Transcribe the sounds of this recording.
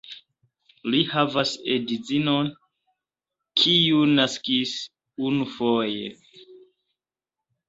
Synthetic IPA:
lihavasedizinon | kʰiunaskis | unufojḛ

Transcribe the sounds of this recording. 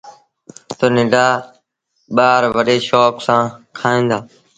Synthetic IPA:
t̪oːnɪ̃ɖaː | ɓaːɾʋəɗeːʃoːksãːkʰaːĩːnd̪aː

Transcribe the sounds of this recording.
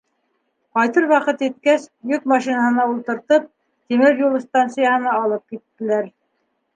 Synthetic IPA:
qɑjt̪ɤɾwɑqɤt̪jɘt̪̚kæsjɵk̚mɑʃinaɦɤ̆nɑulˠt̪ɤ̆ɾt̪ɤp̚ | t̪imɘɾjul̆ˠst̪ɑnt̪sɨjahɤ̆nɑɑlˠɤp̚kit̪ːɘ̆læɾ

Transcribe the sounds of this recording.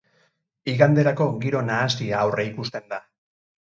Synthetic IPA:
iɣand̪e̞ɾako̞ɡiɾo̞naːsiaːwre̞ikust̪e̞nd̪a

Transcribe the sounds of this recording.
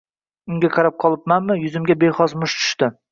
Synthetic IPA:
ʊŋɡʲaqʰɑɾap̚qʰɒlˠɪpmanmːɪjʊzɪmɡʲabejχɒzmʊʃt̪ʰʊ̥ʃt̪ɪ

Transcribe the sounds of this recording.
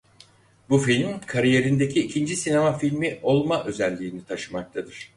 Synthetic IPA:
bufilʲmkʰaɾije̞ɾind̪e̞cʰiːcʰind͡ʒisine̞mafilʲmiʔo̞lˠmaʔø̞zælʲːiːnit̪ʰaʃɯmak̚t̪ʰad̪ɯɾ̥

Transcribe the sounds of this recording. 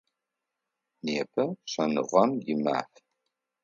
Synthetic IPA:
neːpʰɐɕɐnɨ̰ʁʷɐmjima̰ːf

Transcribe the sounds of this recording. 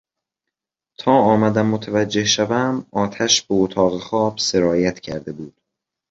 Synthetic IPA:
t̪ʰɒːɒːmæd̪æmːot̪ʰævæd͡ʒːe̞hʃævæmɒːt̪ʰæʃb̥eot̪ʰɒːɣexɒːb̥se̞ɾɒːjæt̪cʰæ̰ɾd̪e̞buːd̪̥̚

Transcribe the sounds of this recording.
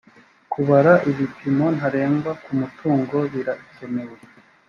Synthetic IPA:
kuβaɾaʔiβipimo̞n̥ɦaɾe̞ːmbakumutʰuːŋɡo̞βiɾaʔiso̞me̞we̞

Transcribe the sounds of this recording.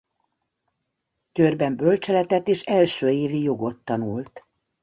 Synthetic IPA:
kørbɛmbølt͡ʃɛlɛt̪ɛt̪ːeːʃɛlʃøːeːvijo̞ɡo̞t̪ːɒnult̪

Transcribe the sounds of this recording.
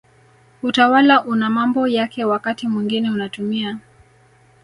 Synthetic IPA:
utawalaʔunamambɔjakɛwakatimwiŋɡinɛunatumia

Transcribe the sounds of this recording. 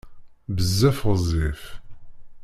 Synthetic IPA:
bəzːæfzˤif

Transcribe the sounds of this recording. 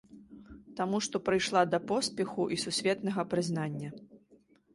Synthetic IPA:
t̪amuʂt̪ɔpɾɨjʂlˠad̪ɐpɔsʲpʲɛxuʔisusʲvʲɛt̪nɐɣɐpɾɨzn̪anʲːɐ

